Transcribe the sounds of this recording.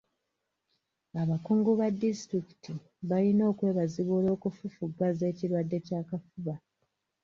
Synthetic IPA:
aβakuːŋɡuβadːistɾiki̥ti | βalino̞ːkwe̞ːβaziβulo̞ːkufufuɡwaze̞ːciɾwadːe̞caːkafuβa

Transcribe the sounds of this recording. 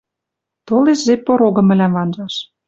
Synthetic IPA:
t̪oleʃzepoɾoɣɤ̆mɘ̆læmvɑnʒɑʃ

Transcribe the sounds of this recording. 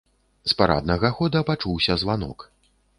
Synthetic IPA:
spaɾa̰d̪̚nɐɣɐxɔd̪ɐpat͡ʂuwsʲɐzvanɔ̰k

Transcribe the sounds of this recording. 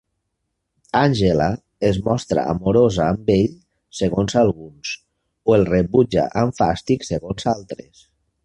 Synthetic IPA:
anʲʒela | ezmɔst̪ɾa̰ːmoɾozaːmbeʎ | seɣonzalˠɣuns | oelˠreβud͡ʒa̰ʔaɱfa̰st̪ikseɣonzalˠt̪ɾḛs

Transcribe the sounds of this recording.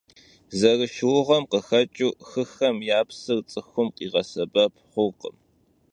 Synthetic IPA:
zɐrɨʃwʊʁɐmqəxɐt͡ʃʼuːxɨxɐmjaːpsɨrt͡sʼɨxʷʊmqiːʁɐsɐbɐp̚ʰχʷʊqə̰m

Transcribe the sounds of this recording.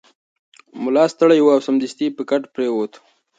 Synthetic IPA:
mʊlɑst̪əɽajwuawsamd̪ɪst̪ipəkaʈpɾewot̪

